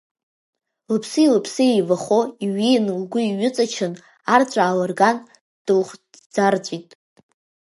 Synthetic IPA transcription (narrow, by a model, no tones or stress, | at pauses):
lɨpʰsɨilɨpʰsɨejvaχoiɥijnlɡʷʊiɥʏt͡sʼat͡ʃʰɨn | art͡ɕʷʼaːlarɡan | d̥ɨlχʷd͡zard͡zʷʼitʼ